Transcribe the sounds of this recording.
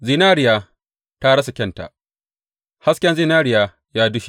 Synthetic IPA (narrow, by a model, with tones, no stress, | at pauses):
zi˨naː˦ɾɪ˨jaː˨ | ta˦ɽɐ˦sa˨kʲɛ˦˨nta̰˨ʔ | ha˦skʲɛ˦nzi˦naː˦ɽɪ˨jaː˨ | jaː˦dʊ˦ʃi̥˦˨